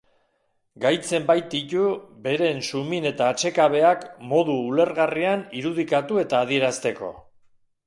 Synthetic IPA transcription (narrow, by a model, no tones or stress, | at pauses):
ɡajt͡se̞mbajt̪̚it̪ube̞ɾe̞nsumine̞t̪aːt͡ʃe̞kaβ̞e̞akmo̞ð̞uːle̞ɾɣarianiɾuð̞ikat̪ue̞t̪aːðie̞ɾast̪e̞ko̞̰